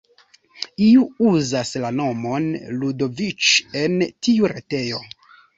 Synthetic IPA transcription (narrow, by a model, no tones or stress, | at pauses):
iuuzaslano̞mo̞nludo̞vit͡ʃe̞ntiuɾe̞te̞jo̞